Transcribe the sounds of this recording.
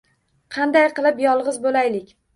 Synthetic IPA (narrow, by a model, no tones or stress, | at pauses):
qʰɑnd̪ajqɨlˠɪpjɒlˠʁɨzbolajlɪkʲ